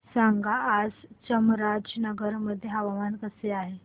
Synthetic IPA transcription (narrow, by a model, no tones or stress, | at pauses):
saŋɡaːd͡zt͡ɕəmɾad͡ʑnəɡəɾməd̪ʱːjeɦəʋamankəseaɦe